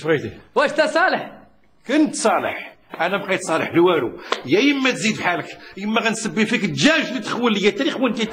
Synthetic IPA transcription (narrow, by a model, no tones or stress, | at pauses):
ʁid̪iwæʃt̪æsˤɑləħ | kənt̪sˤɑlə̰ħ | ʔænæbqɑjt̪sˤɑlə̰ħlwæɾṵjæjəmːæt̪zid̪fħaləkjəmːæɣænsəbːifikəʒæʒlət̪ːə̥xwələjːæt̪æɾixwənt̪æt̪